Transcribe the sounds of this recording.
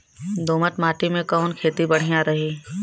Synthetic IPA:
d̪ʱoːməʈmaːʈimẽkɔːnkʰeːt̪ibɐɽ̤ijãɾɐɦiː

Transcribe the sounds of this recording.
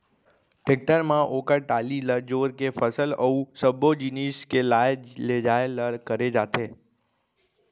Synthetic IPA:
ʈek̚ʈəɾmãʔokəʈaliləɾd͡ʒoɾkefəsələũsəbʱod͡ʒiniskelajeled͡ʒaeləɾkəɾed͡ʒat̪ʰe

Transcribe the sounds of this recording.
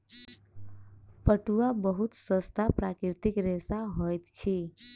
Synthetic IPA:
pəʈuabəɦut̪səst̪ʰapɾakɾɪɾt̪ikɾesaɦojt̪t͡ʃʰi

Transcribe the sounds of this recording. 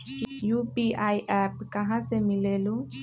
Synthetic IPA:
jupiʔajʔap̚kaɦãsemilelu

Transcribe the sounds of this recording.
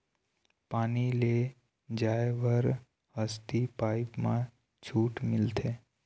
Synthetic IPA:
paːnile | d͡ʒaeʋəɾ | həst̪ipaipmã̰ | t͡ʃʰuːʈmɪlt̪ʰe

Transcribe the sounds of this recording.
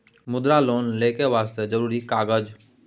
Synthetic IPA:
mʊd̪ɾaːloːnleːkeʋaːst̪ed͡ʒəɾuːɾikaːɡəd͡ʒ

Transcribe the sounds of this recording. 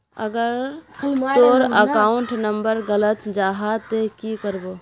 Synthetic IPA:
ə̰ɡəɾt̪oɾəkauɳʈnəmbəɾɡələt̪d͡ʒaɦat̪ekikəɾbo

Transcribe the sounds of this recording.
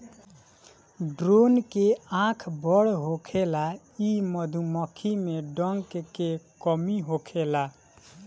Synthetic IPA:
ɖɾonkeãkʰbəɽɦokʰela | iməd̪ʱuməkʰimeɖəŋkkekəmiɦokʰela

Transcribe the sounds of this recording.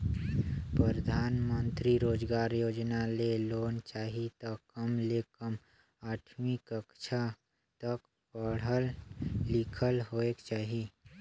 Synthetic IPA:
pɾəɾəd̪ʱaːnmə̃nt̪ɾiɾoːd͡ʒɡaːɾjoːd͡ʒnaleloːnt͡ʃaːɦit̪əkːəmlekəm | aːʈʰmikəkt͡ʃʰa | t̪ək | pəɽ̤əllikʰəlɦoːekt͡ʃaːɦi

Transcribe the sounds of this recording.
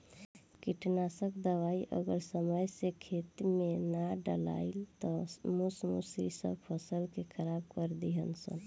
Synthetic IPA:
kiʈnasəkd̪əʋaiʔə̰ɡəɾsəməjsekʰet̪menaɖəla̰ilt̪ɔmusmṵsḭsə̰bpʰəsəlkekʰəɾabkəɾd̪iɦənsə̰n

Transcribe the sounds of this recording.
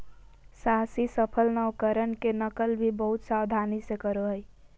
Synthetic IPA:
saɦsisəpʰəlnəwkəɾənkenəkəlbʱibəɦʊt̪saːwd̪ʱaːnisekəɾoɦəi

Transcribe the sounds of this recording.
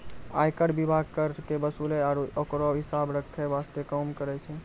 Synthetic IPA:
a̰jkəɽbibʱaɡ̚kəɾkebəsuleaɾokɾoɦisabɾəkʰːeʋast̪ekəmkəɾɛt͡ʃʰɛ

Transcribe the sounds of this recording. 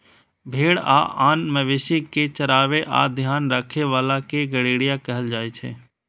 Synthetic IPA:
bʱeːɽa̰ːʔaːnməʋeːʃiket͡ʃəɾaːʋeʔa̰ːd̪ʱjaːnɾakʰeʋaːlakeɡəɽeːɽijãkɛɦəld͡ʒaːet͡ʃʰḛː

